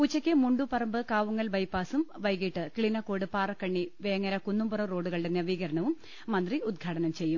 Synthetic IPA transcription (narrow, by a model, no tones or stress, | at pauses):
put͡ɕːɐkʲːɨmuɳɖupɐrɐmbɨkaːʋuŋːɐlʋɐjpːaːsumʋɐjɣiʈːɨkɭinɐko̞ːɽɨpaːrɐkːɐɳːiʋeːɐŋːɐɾɐkunːumburɐro̞ːɖuɣɐɭɖenːɨɐʋiːɣɐɾɐɳɐʋumː | ɐnd̪riud̪̚ɡʱaːʈɐnɐmt͡ɕe̞jːum